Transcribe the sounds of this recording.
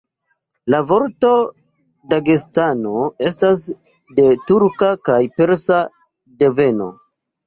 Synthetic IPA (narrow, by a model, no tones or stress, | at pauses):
lavo̞ɾto̞ | daɡestano̞e̞stas | de̞tuɾkakajpe̞ɾsa | de̞ve̞no̞̰